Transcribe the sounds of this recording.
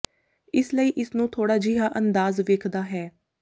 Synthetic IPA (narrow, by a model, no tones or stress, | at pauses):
ɪsləiːʔɪsnũːt̪ʰoːɽaːd͡ʒiɦaːʔənd̪aːzʋeːkʰd̪aːɦɛː